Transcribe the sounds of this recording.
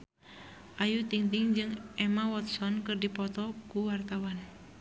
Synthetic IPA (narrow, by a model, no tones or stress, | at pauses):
ʔajut̪iŋt̪iŋd͡ʒɨŋʔɛmawɔt̪sɔnkɨrdipɔt̪ɔkuwart̪awan